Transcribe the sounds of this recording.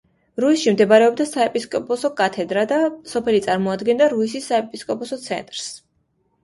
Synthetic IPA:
ɾuisʃimd̪ɛbaɾɛɔb̚d̪asaɛpʼiskʼɔpʼɔsɔkʼat̪ʰɛd̪ɾad̪asɔpʰɛlit̪sʼaɾmɔad̪ɡɛnd̪aɾuisisːaɛpʼiskʼɔpʼɔsɔt̪sʰɛ̰nt̪ʼɾs

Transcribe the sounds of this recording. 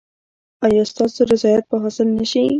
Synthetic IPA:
ajɑst̪ɑsoɾɪzɑjat̪̚pəɦasɪlnəʃi

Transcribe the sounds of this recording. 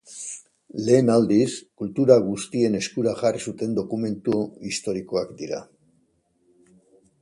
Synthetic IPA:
le̞ːnald̪iskult̪uɾaɣust̪ie̞ne̞skuɾaʝarisut̪e̞nd̪o̞kume̞nt̪uist̪o̞ɾiko̞akd̪iɾa̰

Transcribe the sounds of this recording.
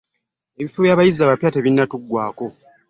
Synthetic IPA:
e̞βifuβjaːβajizaβapjaːteβinːatuɡːwaːko̞

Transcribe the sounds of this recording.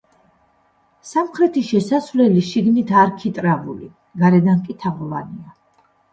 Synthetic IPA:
samχɾɛt̪ʰiʃɛsasvlɛliʃiɡnit̪ʰaɾkʰit̪ʼɾavṵli | ɡaɾɛd̪ankʼit̪ʰaʁɔvania

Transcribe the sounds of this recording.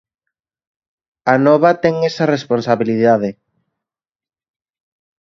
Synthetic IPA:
anɔβat̪ɛŋesɐresponsaβiliðaðɪ

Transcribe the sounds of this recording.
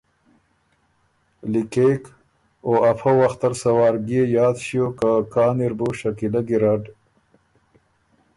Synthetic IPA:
likek | oafawaxt̪aɾsawɑːɾɡiejɑːd̪ʃijokakaːniɾbuʃakilaɡiɾaɖ

